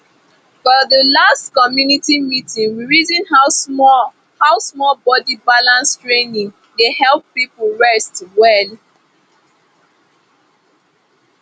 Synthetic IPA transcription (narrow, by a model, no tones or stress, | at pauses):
fɔðəlastkɔmjunitimitĩŋwiɹizĩn | haʊsmɔlbɔdibalãnstɹenĩŋ | dehɛlˠppipʊɹɛstwɛl